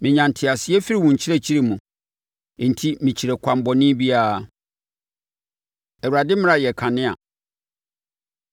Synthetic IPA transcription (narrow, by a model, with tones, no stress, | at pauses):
mɪ̃˨ɲã˨n˨tʰɪ˨a˨sɪ˨˦ɛ˦fi˦ɾi˦˨wũ˨ɲ˨t͡ɕʰi˦ɾe˦t͡ɕʰi˦ɾi˦˨mũ˨ | n̩˨tʰi˦mĩ˨t͡ɕʰi˨ɾe˨kʷʰa˨m˨bɔ˨nɪ̃˦bi˦a˨ɾa˨ | ɛ˨wa˨dɪ˦m̃˦a˦˨jɛ˨kʰã˨nɪ̃˦a̰˨